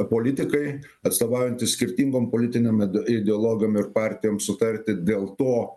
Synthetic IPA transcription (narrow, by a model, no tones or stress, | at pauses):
poːlʲɪt̪ʲɪkɐɪ | ɐt̪st̪oːʋɑːʊjɛnʲt̪ʲɪsʲkʲɪɾʲt̪ʲiːŋɡoːmpoːlʲɪt̪ʲɪnʲemɪd̪ʲɛɔːlˠoːɡʲɪjoːmɪɾpɑˑɾʲt̪ʲɪjoːmsʊt̪ɐɾʲt̪ʲɪd̪ʲeːlˠt̪oː